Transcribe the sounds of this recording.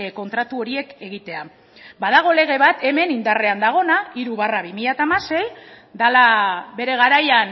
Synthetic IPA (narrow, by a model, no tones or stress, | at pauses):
ko̞nt̪ɾat̪uo̞ɾie̞ke̞ɣit̪e̞a | bað̞aɣ̞o̞le̞ɣ̞e̞β̞at̪e̞me̞nind̪are̞and̪aɣ̞o̞naiɾuβaraβimiʎat̪aːmase̞j | d̪alaβe̞ɾe̞ɣ̞aɾajan